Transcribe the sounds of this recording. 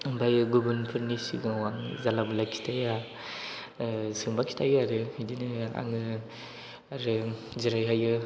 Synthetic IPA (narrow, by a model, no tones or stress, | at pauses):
bajɯɡubɯnpʰɯɾnisḭɡɯwanzalabɯlajkʰi̥tʰaja | sɯŋbakʰi̥tʰajɯaɾɯidinɯa̰ŋɯ | aɾɯ | ziɾajɦajɯ